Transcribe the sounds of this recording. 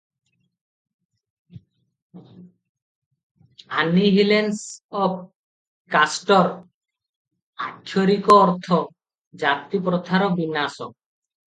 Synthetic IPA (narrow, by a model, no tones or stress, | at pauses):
anːiɦilensɔb | kasʈoɾ | akʰːoɾikoɔɾt̪ʰo | d͡ʑat̪ːipɾot̪ʰːaɾobinːaso